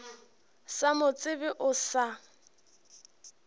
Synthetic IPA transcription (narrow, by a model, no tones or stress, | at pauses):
samʊt͡sʼɪbɪʔʊsa